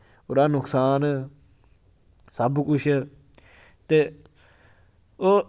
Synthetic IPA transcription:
ʊɾaːnʊksaːn | səbkʊt͡ʃʰ | t̪eː | oː

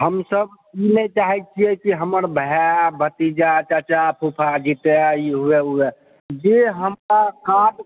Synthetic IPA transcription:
ɦəmsəb | inɛit͡ʃaɦit͡ʃʰiɛkiɦəməɾbʱəɦabʱət̪id͡ʒat͡ʃat͡ʃapʰupʰad͡ʒit̪eiɦuɛuɛ | d͡ʒeɦəmɾakad

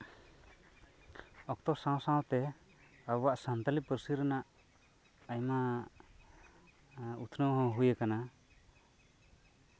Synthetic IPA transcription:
ɔk̚t̪ɔsãw̃saw̃t̪ɛ | abwaʔsant̪alipəɾsiɾɛnaʔ | ajma | ut̪ʰnɔwɦɔ̃ɦujəkana

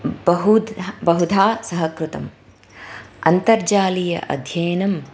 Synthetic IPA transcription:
bɐɦubɐɦud̪ʱaːsɐɦɐkɾut̪ɐm | ɐ̰nt̪ɐɾd͡ʒaːlijɐ̰ʔɐ̰d̪ʱjɐːnɐm

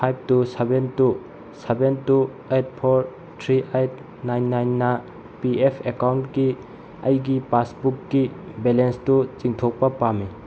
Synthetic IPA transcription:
pʰajb̚tusebentu | sebentu | et̚pʰoɾ | tʰɾiʔajt̚ | najnːajnːɐ | piepʰekawntki | ɐjɡipasbukːibelenstut͡ʃiŋtʰok̚pɐpami

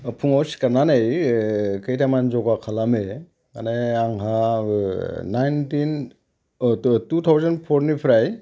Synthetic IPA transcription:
pʰuŋawsi̥kaɾnanej | kɯjtʰamanzɔɡakʰalame | maneaŋɦa | najntin | tut̪ʰawzanpʰɔɾnipʰɾaj

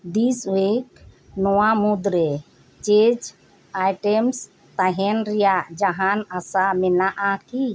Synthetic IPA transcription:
d̪iswek | nɔwamud̪ɾɛ | t͡ʃed͡ʒ | ajʈɛms | t̪aɦɛnɾɛjaʔd͡ʒaɦanasamɛnaʔaki

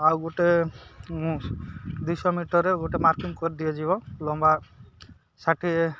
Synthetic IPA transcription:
awɡuʈemũd̪ujsɔmiʈɔɾeɡuʈemaɾkiŋkɔɾid̪ijed͡ʒiβɔlɔmba | saʈʰie

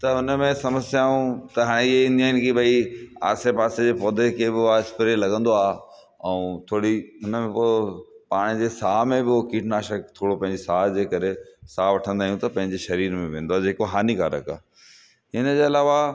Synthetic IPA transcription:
t̪ɐɦʊnəmẽsɐməsijaːũt̪ɐɦaːɽ̃ẽɪɦeɪ̃nd̪jaːnɪkibʱɐia̰ːsepaːsed͡ʑeːpɔːd̪ʱekʰebɪaɪspɪɾelɐɡə̃nd̪oaː | ɛũt̪ʰoːɽiɦʊnəmẽpo | paːɽ̃ɪd͡ʑeːsaːmẽbɪokiːʈʰnaːʃəkt̪ʰoːɽopɐ̃ɦɪ̃ɲd͡ʑesaːd͡ʑeːkɐɾesaːʋɐʈʰə̃nd̪aːɦijũt̪ɐpɐ̃ɦɪ̃ɲd͡ʑeʃɐɾiːɾmẽʋẽːnd̪oaːd͡ʑeːkoɦaːnikaːɾə̰ka̰ː | ɪnəd͡ʑeːɐlaːʋa

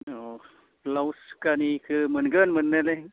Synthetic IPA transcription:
ɔ | plawskanikʰɯmənɡənmɯnːeleŋ

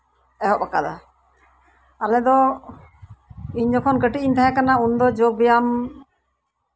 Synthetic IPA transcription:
ɛɦɔʔpakad̪a | alɛd̪ɔ | iɲd͡ʒɔkʰɔnkəʈiiɲt̪aɦɛ̃kanaund̪ɔd͡ʒoɡ̚bɛjam

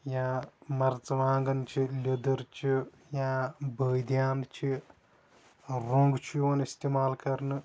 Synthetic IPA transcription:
jãːmɐɾt͡sɐʋaːŋɡɐnt͡ʃʰilʲed̪ɐɾt͡ʃi | jãːbəːjd̪jaːnt͡ʃʰi | ɾoːŋɡt͡ʃʰjoːnist̪imaːlkɐɾnɨ

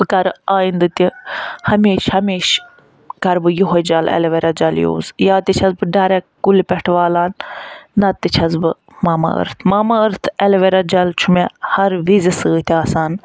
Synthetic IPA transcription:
bɨkɐɾaːind̪ɨt̪ʲihɐmeːʃhɐmʲeːʃ | kɐɾbɨjuɦod͡ʒɐlɛ̰lʋɛɾʲɐd͡ʒɐljo̰ːzjaːt̪it͡ʃʰɐzbɨɖɐɾɛkkulpʲɛʈʰʋaːlaːnː | ɐt̪ːit͡ʃʰɐzbɨ | maːmɐ̰ə̰ɾt̪ʰmaːmɐəɾt̪ʰɛlʋɐɾɐd͡ʒɐlt͡ʃʰumehɐɾʋizisɨːt̪ʲiaːsaːn

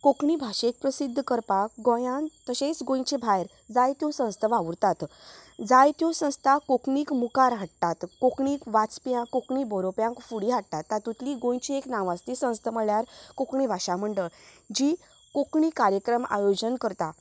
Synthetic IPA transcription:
kokɳibʱaʂek̚pɾəsid̪ʱːəkəɾpakɡõjãnt̪əɕet͡sɡõj̃t͡ɕebʱajɾ | d͡zajt̪jũsə̃st̪ʰəʋaʋuɾt̪at̪d͡zajt̪jũsə̃w̃st̪ʰakokɳiːkmukaɾɦaʈ̚t̪at̪kokɳiːkʋat͡spjãkokɳibɔɾopjãŋkfuɽiɦaʈ̚t̪at̪ːat̪ːut̪liɡõj̃t͡ɕieknãʋãst̪isə̃w̃st̪ʰəməɭjaɾkokɳibʱaʂam̤əɳɖə | d͡ʑiː | kokɳiːkaɾjəkɾəma̰jod͡ʑənkəɾt̪a

